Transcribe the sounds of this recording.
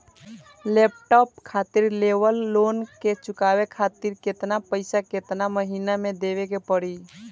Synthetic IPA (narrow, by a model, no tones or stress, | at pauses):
lep̚ʈɔp̚kʰat̪iɾleʋəlːonket͡ʃʊkawekʰat̪iɾket̪napəɪsaket̪naməɦinamed̪eʋekepəɽi